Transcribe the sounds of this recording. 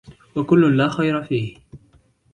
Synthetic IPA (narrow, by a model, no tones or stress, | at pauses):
wakʊlːʊnlaːxajɾafiːh